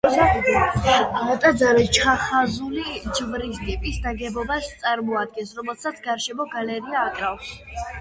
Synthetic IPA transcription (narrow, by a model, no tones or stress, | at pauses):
sa | at̪ʼad̪zaɾɛt͡ʃʰaχazulid͡ʒvɾisɡ̪ɛpʼisd̪aɡɛbɔbast̪sʼaɾmɔad̪̚ɡɛnsɾɔmɛlˠsat̪sʰɡaɾʃɛmɔɡalɛɾiaːkʼɾafs